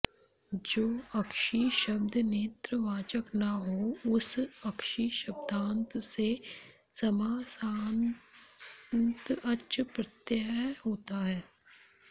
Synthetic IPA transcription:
d͡ʒoːɐkʃiːʃəbd̪ʱneːt̪ɾəʋaːt͡ʃəknaɦoːʊsɐkʃiʃɐb̚d̪ʱãːnt̪se | sɐmaːsaːn | nt̪ətːʃəpɾət̪jəɦoːt̪aɦɛː

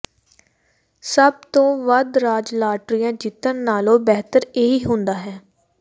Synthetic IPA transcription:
səb̚t̪õːʋəd̪ɾaːd͡ʒlaːʈɾijãːd͡ʒɪt̪ːənːaːlõːbɛɦt̪əɾeːiːɦʊ̃nd̪aːɦɛː

